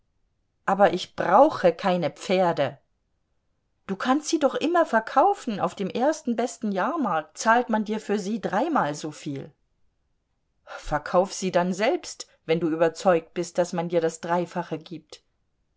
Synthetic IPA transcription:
ʔaːbɐʔɪçb̥ʁaʊxəkʰaɪnəp͡feːɐdə | d̥uːkʰanstz̥iːdɔχʔɪmɐfɛɐkʰaʊfn̩a̰ʊfd̥eːmʔeːɐstn̩bɛstn̩jaːɐmaɐk̚tt͡saːltmandiːɐfyːɐziːdʁaɪmaːlzoːfiːl | fɛɐkʰaʊfz̥iːdanzɛlpst | vɛnduːʔyːbɐt͡sɔʏk̚t̚b̥ɪst̚d̥asmandiːɐɾasd̥ʁaɪfaχəɡiːp̚t

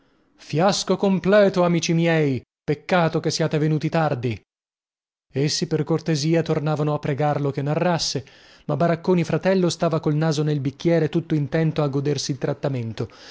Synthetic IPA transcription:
fjaskokomplɛːt̪oamiːt͡ʃimjɛj | pekːaːt̪okesːiaːt̪evenuːt̪it̪ard̪i | esːiperkort̪eziːat̪ornaːvanoapːɾeɡarlokenːarːasːe | mabːaɾakːoːnifɾat̪ɛlːost̪aːvakolnaːzonelbikːjɛːɾet̪ut̪ːoint̪ɛnt̪oaɡːod̪ersiːlt̪ɾat̪ːament̪o

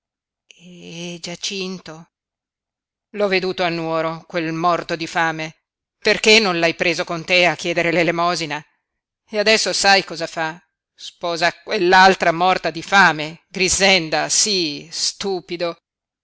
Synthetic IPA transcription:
ɛd͡ʒat͡ʃint̪o | lɔvːed̪uːt̪oanːwɔːɾokwelmɔrt̪od̪ifaːme | perkenːõnlajpɾeːzokont̪eakːjɛːd̪eɾelelemɔːzina | ead̪ɛsːosajkɔːzafa | spɔːzakwelːalt̪ɾamɔrt̪ad̪ifaːmeɡɾizɛnd̪asist̪uːpid̪o

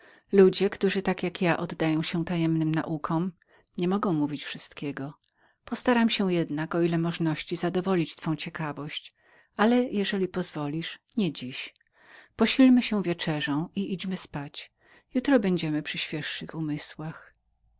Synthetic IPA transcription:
lud͡ʑɛkt̪uʐɘt̪akjakjaʔɔd̪ːajɔ̃w̃ɕɛ̃t̪ajɛmnɘmna̰ʔukʰɔ̃m | ɲɛmɔɡɔ̃w̃muvʲit͡ɕfʂɘst̪kʲɛɡɔ | pɔst̪aɾamɕɛjɛd̪nakɔilɛmɔʐnɔɕt͡ɕizad̪ɔvɔlʲit͡ɕt̪fɔ̃w̃t͡ɕɛkavɔɕt͡ɕ | ʔalɛjɛʐɛlʲipɔzvɔlʲiʂɲɛd͡ʑiɕ | pɔɕilmɘɕɛ̃vʲjɛt͡ʂɛʐɔ̃w̃iʔid͡ʑmɘspat͡ɕ | jut̪ɾɔbɛɲd͡ʑɛmɘpʂɘɕfʲjɛʂːɘxumɘswax

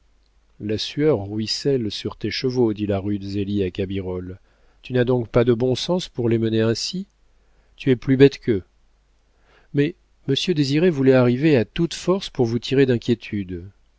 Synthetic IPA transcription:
lasyœʁːɥisɛlsyʁt̪eʃəvod̪ilaʁyd̪əzeliakabiʁɔl | t̪ynad̪ɔ̃kpad̪əbɔ̃sɑ̃spuʁleməneɛ̃si | t̪yɛplybɛt̪kʰə | mɛ | məsjød̪eziʁevulɛaʁiveat̪ut̪fɔʁspuʁvut̪ʰiʁed̪ɛ̃kʲjet̪ʰyd̪

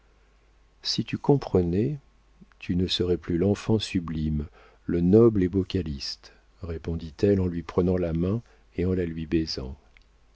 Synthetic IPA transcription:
sit̪ykɔ̃pχənɛ | t̪ʰynəsəʁɛplylɑ̃fɑ̃syblim | lənɔblebɔkalist̪ | ʁepɔ̃d̪it̪ɛlɑ̃lɥipχənɑ̃lamɛ̃ | eɑ̃lalɥibɛzɑ̃

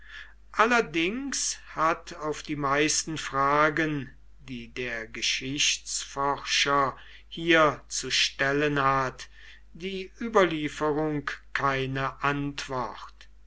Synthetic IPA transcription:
ʔalɐdɪŋshatʰaʊfd̥iːmaɪstn̩fʁ̥aːɡən | diːdeːɐɡəʃɪɕsfɔʁʃɐ | hiːɐt͡suʃtɛlənhat | d̥iːʔyːbɐliːfəʁʊŋkkʰːaɪnəʔantv̥ɔχt

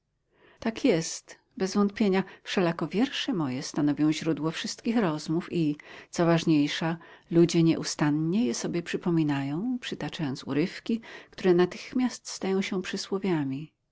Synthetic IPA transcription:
t̪akʰjɛst̪ | bɛzvɔnt̪̚pʲjeɲafʂɛlakɔvʲjɛɾʂɛmɔjɛst̪anɔvʲjɔ̃w̃ʑɾud̪wɔfʂɘst̪kʲixɾɔzmufit̪sɔvaʐɲejʂalud͡ʑɛɲɛ̰ʔust̪anɲɛjɛsɔbʲjɛpʂɘpɔmʲinajɔ̃w̃pʂɘt̪at͡ʂajɔnt̪sṵɾɘfkʲikt̪uɾɛnat̪ɘxmʲjast̪st̪ajɔ̃w̃ɕɛpʂɘswɔvʲjamʲi

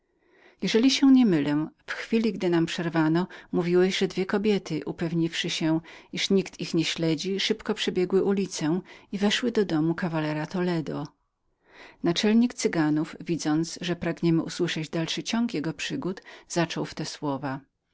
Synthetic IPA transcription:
jɛʐɛlʲiɕɛɲɛmɘlɛ̃fxfʲilʲiɡd̪ɘnampʂɛɾvanɔmuvʲiwɛʑʐɛd̪vʲjɛkɔbʲjɛt̪ɘʔupɛvɲifʂɘɕɛiʂɲikt̪ʰixɲɛɕlɛd͡ʑiʂɘpkɔpʂɛbʲjɛɡwɘʔulʲit̪sɛivɛʂwɘd̪ɔd̪ɔmukavalɛɾat̪ɔlɛd̪ɔ | nat͡ʂɛlɲikt̪sɘɡanuvvʲid̪zɔnt̪sʐɛpɾaɡɲɛmɘʔuswɘʂɛd͡ʑd̪alʂɘt͡ɕɔŋkjɛɡɔpʂɘɡut̪z̥at͡ʂɔwft̪ɛswɔva

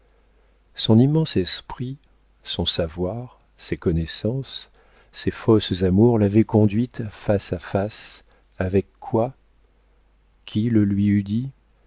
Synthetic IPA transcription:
sɔ̃nimɑ̃sɛspχi | sɔ̃savwaʁ | sekɔnɛsɑ̃sː | efɔszamuʁlavɛkɔ̃d̪ɥit̪fasafas | avɛkːwa | kʲʰiləlɥiyd̪i

